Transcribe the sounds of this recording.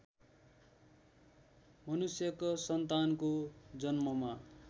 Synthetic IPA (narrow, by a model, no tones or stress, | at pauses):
mʌnusjʌkʌsʌnt̪ankod͡zʌnmʌma